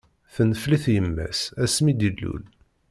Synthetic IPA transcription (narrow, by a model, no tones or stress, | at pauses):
θənəfliθjəmːæ̰sæsmid̪ilːṵl